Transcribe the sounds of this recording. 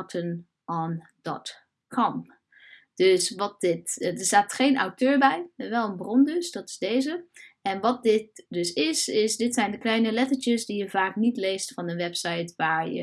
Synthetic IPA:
tʰən | ʔɔn | d̥ɔ̰t | kʰɔm | d̥øsʋɔt̚dɪtdəɹsaːtχeːna̰wtʰøːɹbɛjʋɛlˠənbrɔndøsd̥ɔtɪ̥sdeːzəɛnʋɔt̚dɪt̚døsɪsɪsdɪtsɛjndəklɛjnəlɛtəɹt͡ʃjəsdijəvaːknitleːstfɔndəʋɛpsajtʋaːɹjə̰

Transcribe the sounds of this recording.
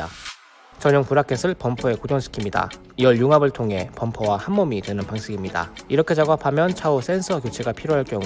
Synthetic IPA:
a̰ | t͡ɕʌɲʌŋpuɾakʰe̞sʰɯɭpʌmpʰoe̞kod͡ʑʌŋɕʰi̥kʰimɲida̰ | iʌɭjuŋabɯɭtʰoŋɦe̞pʌmpʰowahamːʌmitwe̞nɯnpaŋɕʰiɡimɲida̰iɾʌkʰe̞d͡ʑaɡapʰamjʌnt͡ɕʰaos͈ʰe̞nsʰʌkjot͡ɕʰeɡapʰiɾjoɦaɭk͈jʌŋu

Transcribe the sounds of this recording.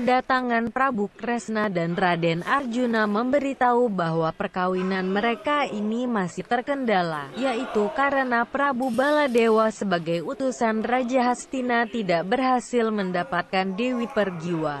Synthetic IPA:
pəndat̪aŋanpɾabukɾɛsnadanradɛnard͡ʒunaməmbəɾit̪aubaɦwapərkawinanməɾekainimasɪht̪ərkəndalajaʔit̪ukaɾənapɾabubaladewasəbaɡajut̪usanrad͡ʒaɦast̪inat̪idaʔbərɦasɪlməndapat̪̚kandewipərɡiwa

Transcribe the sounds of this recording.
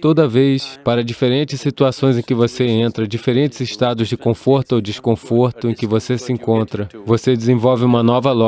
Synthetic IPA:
t̪od̪ɐvejspaɾɐd͡ʒifeɾẽnt͡ʃɪssit̪uasõj̃zẽj̃kɪvoseẽnt̪ɾɐd͡ʒifeɾẽnt͡ʃɪzɪʃt̪ad̪ʊzd͡ʒɪkõfoɾt̪ʊowd͡ʒɪskõfoɾt̪ʊẽkɪvosesɪẽkõnt̪ɾɐvosed͡ʒɪzẽvɔwvɪũmɐnɔvɐlɔ

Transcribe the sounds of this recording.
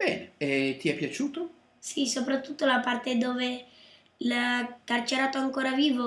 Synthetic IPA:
b̥ɛːneet̪iɛpːjat͡ʃuːt̪o | sisopɾat̪ːut̪ːolapart̪ed̪oːve | lakart͡ʃeɾaːt̪aŋkoːɾaviːvo

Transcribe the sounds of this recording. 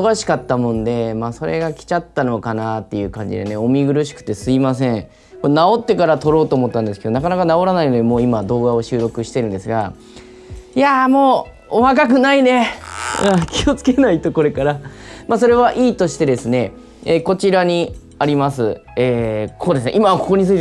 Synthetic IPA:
oɡaɕi̥kat̪ːamõ̞nd̪e̞maːso̞ɾe̞ɡakʲi̥t͡ɕat̪ːano̞kanat̪ːe̞jɯ̟ːkãɲ̟d͡ʑḭd̪e̞̰ne̞o̞mʲiɡɯ̟ɾɯ̟ɕ̬i̥kɯ̟̥t̪ːe̞sɨimas̬ẽ̞ɴ | konao̞t̪ːe̞kaɾat̪o̞ɾo̞ːt̪oːmo̞t̪ːãnd̪e̞sɨ̥ked̪o̞nakanakanao̞ɾanaino̞d̪e̞mo̞ːimad̪o̞ːɡao̞ɕɨːɾo̞kɯ̟ɕi̥t̪e̞ɾɯ̟nd̪e̞sɨɡa | iamo̞ː | βakak̬ɯ̟naine̞akʲio̞t͡sɨ̥ke̞nait̪o̞ko̞ɾe̞kaɾamaːso̞ɾe̞βaʔiːt̪o̞ɕi̥t̪e̞d̪e̞sɨne̞ | eːko̞t͡ɕiɾaɲ̟i | aɾʲimas̬ɨeːkʰoːd̪esɨneʔimaβako̞ko̞ɲisɨit̪

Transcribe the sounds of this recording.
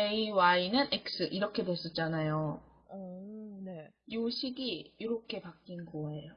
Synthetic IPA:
eiwainɯnek̚s͈ɯʔiɾʌkʰe̞dwes͈ʌt͡ɕ͈anajo | ʌne̞ | joɕʰiɡiiɾʌkʰe̞pak͈inɡʌe̞jo

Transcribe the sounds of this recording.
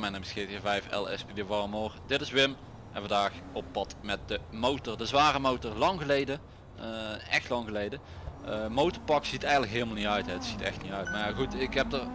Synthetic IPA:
mɛndəbəskiːtivɛjfɛ̰lˠɛ̰spideʋɑrəmoːrdɪtɪsʋɪm | ʔɛ̃nvɑndaːxoppɑtmɛt̚dəmowtɔrdəzʋaːrəmowtɔrlɑŋɣəlejdə | ɛxtlɑŋɣəlejdə | mowtəɹpɑksitɛjɣəntləkɦɪːlˠmalˠnitœɥtɦɛətsitɛ̰xtnitœɥtmajaɣutɪkɦɛp̚dər

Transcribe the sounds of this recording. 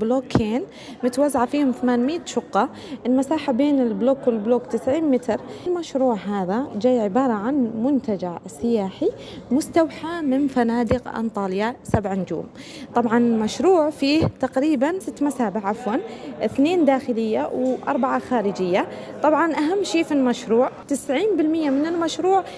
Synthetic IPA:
bloːkʰeːn | mʊt̪wazːaʕafiːhʊmθamaːnmɪːt̪ʃʊqːɑ | ʔɪlmasaːħabeːnɪlbloːkwɪlbloːkt̪ɪsʕiːnmɪt̪ɾlmaʃɾuːʕɦaːðad͡ʒaːjʕɪbɑːɾˤɑʕanmʊnt̪ad͡ʒaʕsːɪjaːħi | mʊst̪awħamɪnfanaːd̪ɪqʔɑ̰nt̪ˤɑːlɪjasabʕand͡ʒṵːm | t̪ˤɑbʕɑnɪlmaʃɾuːʕfiːht̪aqɾiːbansɪt̪ːmasaːbɪʕʔafwanɪθneːnd̪aːxɪlɪjːawʔɑ̰ɾˤbaʕaxaːɾɪd͡ʒɪjːat̪ˤɑbʕɑnʔaɦamːʃeːfilmaʃɾuːʕt̪ɪsʕiːnbɪlmɪjːamɪnɪlmaʃɾuːʕ

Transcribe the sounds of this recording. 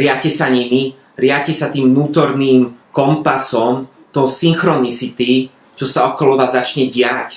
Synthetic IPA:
ɾɪacɛsaɲimi | ɾɪacɛsat̪iːmnuːt̪ɔɾniːmkɔmpasɔm | t̪ɔsiŋxɾɔnit͡sit̪i | t͡ʃɔsaɔkɔlɔʋaːzːat͡ʃɲɛɟɪac

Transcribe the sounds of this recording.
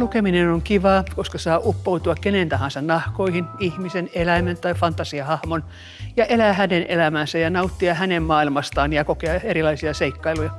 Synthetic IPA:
lukeminenoŋkiʋɑːkoskɑsɑːʔupːout̪uɑkkenent̪ɑhɑ̃nsɑnnɑhkoihinihmisenelæiment̪ɑifɑnt̪ɑsiɑhɑhmon | jɑʔelæːhænenḛlæmæːnsæjɑnɑut̪ːiɑhænemmɑːilmɑst̪ɑːnjɑkokeɑerilɑisiɑseikːɑilujɑ

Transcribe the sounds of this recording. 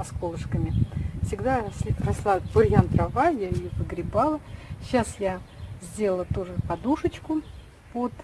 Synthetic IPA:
skolˠəʂkəmʲɪfsʲɪɡd̪asʲrɐslˠabʊɾʲjant̪ɾavajaɪjovɨɡɾʲɪbalˠəɕasjazʲdʲelˠəlˠət̪uʐɨpɐd̪uʂət͡ɕkʊ | pot̪

